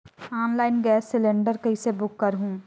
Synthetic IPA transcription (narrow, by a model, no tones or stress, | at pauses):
aːnlaːɪnɡɛːsːɪlẽɳɖəɾkɐisebʊkːəɾɦũː